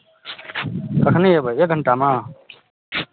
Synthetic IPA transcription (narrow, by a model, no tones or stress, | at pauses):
kəkʰneebəeːk̚ɡʱəɳʈamãː